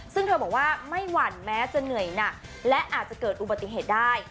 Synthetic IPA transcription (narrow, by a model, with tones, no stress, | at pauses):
sɯ˥˩ŋtʰɤ˧bɔː˨˩k̚waː˥˩ma˥˩jwa˧˩nmɛː˦˥t͡ɕa˧nɯ˨˩əjna˨˩k̚ | lɛ˦˥ʔaː˨˩t̪̚t͡ɕa˨˩kɤː˨˩t̪ʔu˨˩ba˨˩t̪ːi˨˩ɦeː˨˩t̪̚daː˥˩j